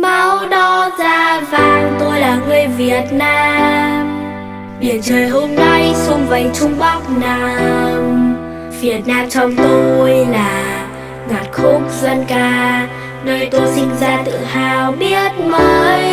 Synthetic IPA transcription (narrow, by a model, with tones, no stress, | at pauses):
ma˨˧˦wɗɔ˨˦zaː˧˩vaː˨˩ŋt̪o˧jlaː˨˩ŋɨ˧əjvi˨˩ət̚naː˧m | ɓḭ˨˩ənt͡ɕəː˨˩jɦo˧mna˧jsʊ˧ŋ͡mva˨˩ŋ̟t͡ɕʊ˧ŋ͡mɓa˦˥wk͡p̚naː˧m | v̥i˨˩ət̚naː˧mt͡ɕɔ˧wŋ͡mt̪o˧jlaː˨˩ | ŋa˨˩t̚xʊ˦˥k͡p̚zwa˧nkaː˧ | nəː˧jt̪o˧jsi˧ŋzaː˧t̪ɨ̰˧˨haː˧˩wɓi˦˥ət̚məː˨˦j